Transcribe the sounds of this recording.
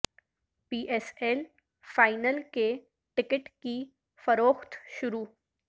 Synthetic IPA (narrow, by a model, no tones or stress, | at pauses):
piːʔɛsɛːl | faːɪnəlke | ʈɪkɪʈki | fɐɾoːxt̪ʃʊɾuː